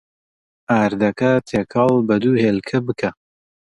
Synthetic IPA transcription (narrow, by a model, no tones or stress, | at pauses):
aːɾd̪ɐkɐt̪ʰeːkʰɑlˠbɐd̪uːheːlkʰɐbɨkʰɐ